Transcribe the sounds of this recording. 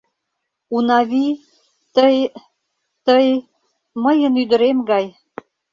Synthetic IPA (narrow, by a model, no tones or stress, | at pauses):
unɑβi | t̪əj | t̪əj | məjənyd̪ə̆ɾemɡɑj